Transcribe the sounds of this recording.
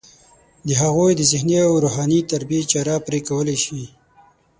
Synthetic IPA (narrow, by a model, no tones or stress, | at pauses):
d̪əɦaɣojd̪əzɪhniawɾoɦɑnit̪aɾbiet͡ʃɑɾɑpɾekawəleʃi